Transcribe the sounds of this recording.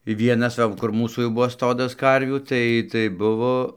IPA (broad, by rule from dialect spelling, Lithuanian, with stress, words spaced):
ˈʋʲiɛnɐs ˈsɐʊ kʊr ˈmuːsuː jɛʊ ˈbʊʋoː ˈstoːdɐs ˈkɐrʲʋʲuː ˈtɐɪ tɐɪ ˈbʊʋoː